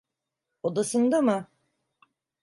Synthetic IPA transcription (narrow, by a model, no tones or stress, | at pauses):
od̪asɯnd̪amɯ